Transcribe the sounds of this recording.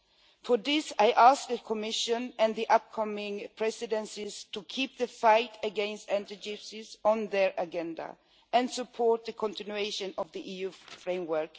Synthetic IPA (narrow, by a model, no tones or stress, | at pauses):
fɔðɪsaɪʔask̚ðɨkʰɔmɪʃə̃nɨ̃nðiʔʌp̚kʰʌmɪ̃ŋpʰɹ̥ɛsɪdɛ̃nsiz̥tʰukʰip̚ðɨfaɪtʰɨɡɛ̃nstɛ̃ntid͡ʒɪpsɪzɔ̃nðəɹʔəɡɛ̃nda̰ | ɨ̃nsɨpʰɔɹt̪̚ðɨkʰɔ̃ntɪ̃njueɪʃɨ̃nɔvðiʔijufɹẽɪ̃mwə˞k